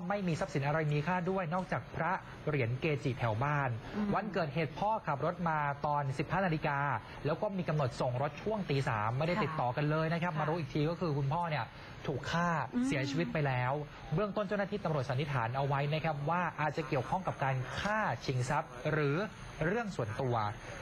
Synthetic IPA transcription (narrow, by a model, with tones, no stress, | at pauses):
ma˥˩jmiː˧sa˦˥psi˨˩˦nʔa˧ɾa˧jniː˦˥kʰaː˥˩du˥˩əjnɔː˥˩k̚t͡ɕaː˨˩k̚pʰɾa˦˥ | ɾi˩˦ənkeː˧t͡ɕiː˨˩t̪ʰɛ˩˦wbaː˥˩nwa˧nkɤː˨˩t̪̚ɦeː˨˩t̪̚pʰɔː˥˩kʰa˨˩p̚ɾo˦˥t̪̚maː˧t̪ɔː˧nsi˨˩p̚haː˥˩na˧li˧kaː˧ | lɛː˦˥wkɔː˥˩miː˧ka˧mno˨˩t̪̚so˨˩ŋɾo˦˥t̪̚t͡ɕʰu˥˩əŋt̪iː˧sa̰ː˩˦mːa˥˩jda˥˩t̪i˨˩t̪ːɔː˨˩ka˧nlɤː˧jna˦˥kʰa˦˥p̚maː˧ɾuː˦˥ʔiː˨˩t̪ʰiː˧kɔː˥˩kʰɯː˧kʰu˧npʰɔː˥˩ni˥˩ə | t̪ʰuː˨˩kʰːaː˥˩siː˨˩˦ɐt͡ɕʰiː˧wi˦˥t̪̚pa˧jlɛː˦˥w | bɯ˥˩əŋt̪o˥˩nt͡ɕa˥˩naː˥t̪iː˥˩t̪a˧mɾu˨˩t̪̚sa˨˦nʰi˦˥t̪ʰa̰ː˩˦nʔa˧wa˦˥jna˦˥kʰa˦˥p̚waː˥˩ʔaː˨˩t̪̚t͡ɕa˨˩ki˨˩əwkʰɔ˥˩ŋka˨˩p̚kaː˧nkʰaː˥˩t͡ɕʰi˩˦ŋsa˦˥p̚ɾɯː˩˦ | ɾɯ˥˩əŋsu˨˩ənt̪u˧ɐ